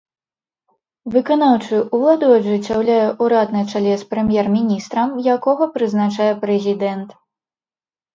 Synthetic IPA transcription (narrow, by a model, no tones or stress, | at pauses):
vɨkanawt͡ʂɨulˠad̪ɔjʐɨt͡sʲawlʲajɛʔuɾat̪nɐt͡ʂalʲɛspɾɛmʲjɛrmʲinʲist̪ɾɐmjakɔɣɐpɾɨznat͡ʂajɛpɾɛzʲid̪ɛnt̪